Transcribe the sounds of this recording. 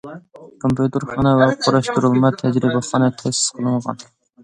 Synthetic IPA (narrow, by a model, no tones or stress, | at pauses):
kʰompʰjut̪ɨɾχɑːnɑwɛqʰoɾɑʃt̪uɾɨlˠmɑt̪ʰɛd͡ʒɾibɑχɑːnɑt̪ʰɛsɪ̥sqʰəlˠɨmʁɑ̰n